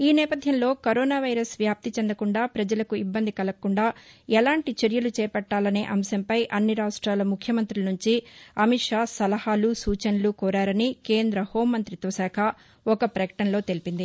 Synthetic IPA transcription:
iːnɛːpɐd̪ʱjɐmlo̞ːkɐɾoːnaːʋɐjɾɐsʋjaːp̚t̪it͡ʃɛnd̪ɐkuɳɖaːpɾɐd͡ʒɐlɐkuibːɐnd̪ikɐlɐkːuɳɖaːɛlaːɳʈit͡ʃeɾjɐlut͡ʃɛːpɐʈːaːlɐne̞ːʔɐmsɐmpɐjʔɐnːiɾaːʂʈɾaːlɐmukʰjɐmɐnt̪ɾilɐnuɲt͡ʃiɐmiʈʂaːsɐlɐhaːlusuːt͡ʃɐnɐlukɔːɾaːɾɐnike̞ːnd̪ɾɐho̞ːmːɐnt̪ɾit̪o̞ːsaːkʰɐ | ɔkɐpɾɐjɐ̥ʈɐnlo̞ːt̪e̞lipind̪i

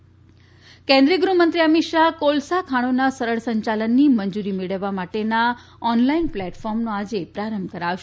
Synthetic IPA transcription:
kẽnd̪ɾiəɡɾumənt̪ɾiəmiʃakolsakʰaɽ̃onasəɾəɭsəɲt͡ʃalənːimənd͡ʒuɾimeɭəʋːamaʈena | ɔnlainplɛʈfɔɾmnoad͡ʒepɾaɾəmbʱkəɾaʋʃe

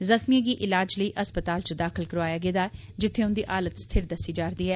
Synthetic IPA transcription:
zəxmieɡiʔɪlaːd͡ʒləiːʔɐspət̪aːlt͡ʃəd̪aːxʰɪlkəɾʋaːjaːɡeːd̪aːd͡ʒɪt̪ʰːẽʊnd̪iʔaːlət̪st̪ʰɪɾd̪ɐsid͡ʒaːɾd̪iːɦɛː

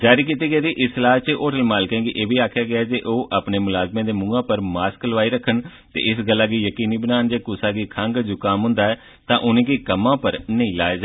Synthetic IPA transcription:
d͡ʒaːɾiːk̬iːt̪iːɡeːd̪iːʔɪslaːt͡ʃeʔoːʈəlmaːlkɛ̃ːɡiʔeːbiːaːkʰjaːɡɪaːd͡ʒeʔoːʔaːpneːmʊlaːzmẽːd̪eːmʊ̃ːɡãːpəɾmaːskləʋaːiːɾəkʰːəɳ | t̪ḛːʔɪsɡəlːaːɡiːjəkiːniːbənaːənd͡ʒeːkʊsaːɡiːkʰaŋɡd͡ʒuːkaːmɦʊ̃nd̪aːɛː | t̪ãːʔʊnẽːɡiːkəmːãːpəɾnəĩːlaːeːd͡ʒa

